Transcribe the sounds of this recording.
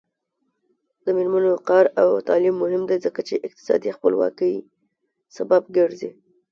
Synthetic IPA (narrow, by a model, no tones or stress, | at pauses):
d̪əmeɾmanoqɑɾawt̪ɑlimːʊhɪmd̪ezəkat͡ʃeʔɪq̚t̪ɪ̥sɑ̰d̪ixpə̰lwɑ̰kəj | sababɡəɾzḭ